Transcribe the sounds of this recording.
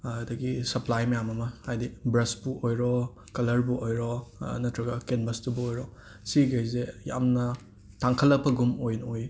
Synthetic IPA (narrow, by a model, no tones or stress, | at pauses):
dɐɡisɐplajmɐjamɐmɐhajdibɾɐsbuojɾɔ | kɐlɐɾbuʔojɾɔnɐtʰɾɐɡɐkenbɐstubuojɾɔ | siɡejzeja̰mnɐ | taŋkʰɐlːɐk̚pʰɐɡumojnoj